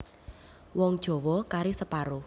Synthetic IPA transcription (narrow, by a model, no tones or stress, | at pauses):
wɔŋd̥ʒ̥ɔ̤wɔkaɾisəpaɾʊ